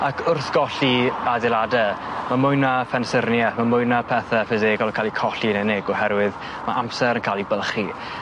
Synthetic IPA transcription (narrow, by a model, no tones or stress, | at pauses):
akʰʊrθɡ̥ɔɬiadɛladəmamʊjnafɛnsərnjamamʊjnapʰɛθafɪzeːɡɔlˠənkʰaːlˠikʰɔɬinɛnɪɡɔhɛɾwɪð | maʔamsɛɾənkʰaːlˠibəlˠχi